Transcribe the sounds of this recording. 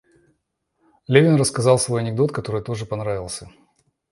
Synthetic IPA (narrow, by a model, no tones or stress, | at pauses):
lʲevʲɪnrəskɐzɑlˠsvo̞jɐnʲɪɡ̚d̪o̞t̪kɐt̪o̞ɾɨjt̪o̞ʐɨpɐnɾavʲɪlˠsʲə